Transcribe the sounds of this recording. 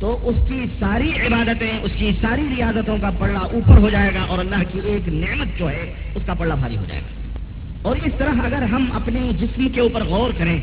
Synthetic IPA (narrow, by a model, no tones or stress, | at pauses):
t̪oʔʊskisaːɾiɪbaːd̪ət̪ẽʔʊskisaːɾiɾijaːzət̪õkapɐɽlaʔuːpəɾɦod͡ʒaːeːɡaʔɔːɾnakieːkneːmət̪̚d͡ʒoːɦɛ | ʊskapɐɽlabʱaːɾḭɦo̰d͡ʒa̰ːḛɡa̰ː | ɔːɾɪst̪ɐɾəɦɐɡəɾɦɐmɐ̰pnid͡ʒɪsmkeuːpəɾɣɔːɾkɐɾẽ